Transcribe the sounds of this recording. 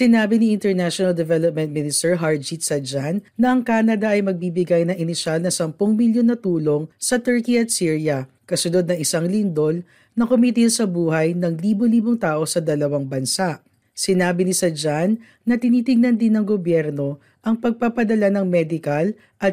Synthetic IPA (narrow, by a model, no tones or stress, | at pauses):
sɪnaːbɪniʔɪnt̪ɛɹnaʃonɐld̪ɛvɛlop̚mɛ̃nt̪̚mɪnɪst̪ɛɹɦaɹd͡ʒit̪sɐd͡ʒanːɐʔɐŋkaːnɐd̪ɐʔɐjmɐɡ̚bibɪɡajnɐŋʔɪnɪʃalnɐsɐmpʊŋmiljonːɐt̪uːlo̞ŋsɐt̪ɛɹkiɐt̪̚siːɹijɐ | kɐsʊnod̪̚nɐŋɪsaŋlɪnd̪o̞l | nɐkʊmit̪ɪnsɐbuːhɐjnɐŋliːboliːboŋt̪aːʔo̞sɐd̪ɐlɐwaŋbɐnsaʔ | sɪnaːbɪnɪsɐd͡ʒanː | ɐt̪ɪniːt̪ɪɡ̚nɐnd̪ɪnːɐŋɡobjɛɾno̞ | ʔɐŋpɐɡ̚pɐpɐd̪ɐlanɐŋmɛd̪ɪkɐl | ʔɐt̪̚